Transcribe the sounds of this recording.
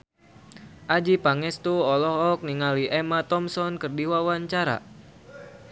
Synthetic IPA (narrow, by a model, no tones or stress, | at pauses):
ʔad͡ʒipaŋɛst̪uɔlɔhɔk̚niŋaliʔɛmat̪ɔmsɔnkɨrdiwawaɲt͡ʃaɾa̰